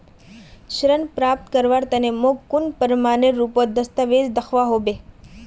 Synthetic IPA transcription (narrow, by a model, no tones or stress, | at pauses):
ʃɾənpɾaːp̚t̪kəɾʋaɾt̪ənemoɡkːunpəɾmaːneɾːupod̪əst̪əʋed͡ʒd̪əkʰʋaɦobe